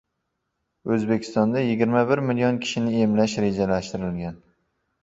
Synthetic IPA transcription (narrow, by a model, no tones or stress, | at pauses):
ɵzbe̞kʲʰɪ̥st̪ɒnd̪ajɪɡʲɪɾmabɪɾmɪljɒnkʲʰɪ̥ʃɪnɪe̞mlaʃɾe̞d͡ʒalaʃt̪ɪɾɪlɡʲan